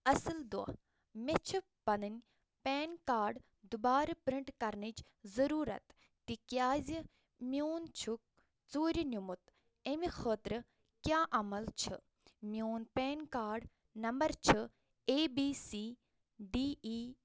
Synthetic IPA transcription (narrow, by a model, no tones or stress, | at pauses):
ɐsɨld̪ṵ | met͡ʃʰɨ | pɐnɨnʲ | peːnkaːɾɖ | d̪ubaːɾɨpɾiɳʈkɐɾnɨt͡ʃ | zɐɾuːɾɐ̰t̪ | t̪ikjaːzʲi | mioːnt͡ʃʰuk̚ | t͡soːɾʲinʲumut̪ | emixəːt̪ɾɨ | kjaːʔɐmɐlt͡ʃʰɨ̰ | mʲjoːnpeːnkaːɾɖ | nɐmbɐɾt͡ʃʰɨ | eːbiːsiː | ɖiːiː